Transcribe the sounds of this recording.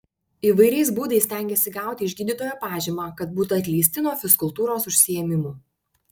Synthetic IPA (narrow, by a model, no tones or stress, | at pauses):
iːʋɐɪɾʲɛɪsbuːd̪ɐɪsʲt̪ʲæˑŋʲɡʲɛsʲɪɡɑˑʊt̪ʲɪɪʒʲɡʲiːd̪ʲit̪oːjoːpɑːʒʲiːmaːkɐt̪̚buːt̪uɐt̪ʲlʲiːsʲt̪ʲɪnoɔːfʲɪskʊlˠt̪uːɾoːsʊʃʲsʲɪjɛmʲɪmuː